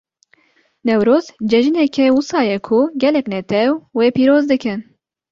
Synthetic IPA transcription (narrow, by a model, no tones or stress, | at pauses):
nɛwɾoːzd͡ʒɛʒɨnɛkʰɛwʊsɑːjɛkʰʊɡɛlɛknɛt̪ʰɛwweːpiːɾoːzd̪ɨkɨn